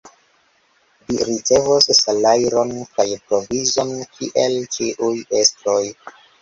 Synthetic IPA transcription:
viɾit͡se̞vossalajɾonkajpɾovizonkʰiʔe̞lt͡ʃiʔujestɾoj

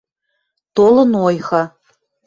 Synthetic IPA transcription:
t̪olɤ̆nojɣɑ

